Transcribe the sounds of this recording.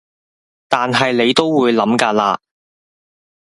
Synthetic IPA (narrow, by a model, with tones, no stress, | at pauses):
t̪aː˨nɦɐ˨jle˨˧jt̪o˥wːuː˨˧jlɐ˨˥mkaː˧laː˧